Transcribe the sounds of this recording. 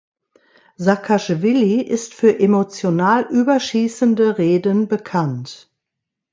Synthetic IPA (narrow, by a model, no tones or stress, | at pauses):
zakʰaʃvɪliʔɪstfyːɐʔemot͡sjonaːlʔyːbɐʃiːsəndəʁeːdənbəkʰant